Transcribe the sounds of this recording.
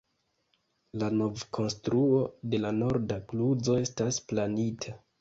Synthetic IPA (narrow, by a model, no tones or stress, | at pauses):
lano̞vkʰo̞nstɾuo̞de̞lano̞ɾdakluzo̞e̞stasplanitʰa